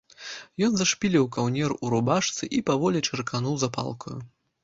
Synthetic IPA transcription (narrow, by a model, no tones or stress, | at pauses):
jɔnzɐʂpʲilʲiwkawnʲɛruɾubaʂt̪sɨʔipavɔlʲit͡ʂɨrkanuwzapa̰lˠkɐju